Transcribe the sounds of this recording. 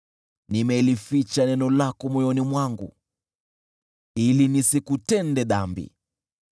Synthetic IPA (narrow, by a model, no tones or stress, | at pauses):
nimɛlifit͡ʃanɛnɔlakɔmwɔjɔnimwaŋɡṵ | ilinisikutɛndɛɗambḭ